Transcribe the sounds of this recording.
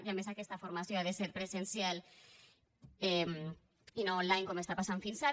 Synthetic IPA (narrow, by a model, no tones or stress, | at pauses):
ʝamesakest̪afoɾmasjoaðeseɾpɾesensjal | em | inoːnlajŋkomest̪apasaɱfinsaɾ